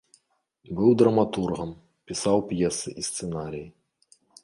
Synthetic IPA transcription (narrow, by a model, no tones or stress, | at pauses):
bɨwd̪ɾɐmat̪urɣɐm | pʲisawpjɛsɨʔist̪sɛnaɾʲiji